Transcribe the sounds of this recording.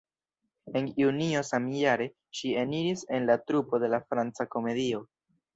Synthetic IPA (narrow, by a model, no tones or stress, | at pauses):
e̞njunio̞samjaɾe̞ | ʃie̞niɾise̞nlatɾupo̞de̞lafɾant͡sako̞me̞dio̞